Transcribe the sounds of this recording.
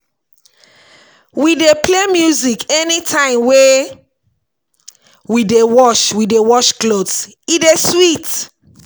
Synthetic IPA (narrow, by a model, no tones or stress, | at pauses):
widepʰlemjuzikɛnitʰãɪ̃mwe | widewɔʃwidewɔʃklods | ideswit